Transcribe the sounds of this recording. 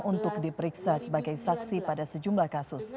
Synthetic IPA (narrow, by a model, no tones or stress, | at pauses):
ʔunt̪ʊk̚dipəɾiksasəbaɡajsaksipadasəd͡ʒumlahkasʊs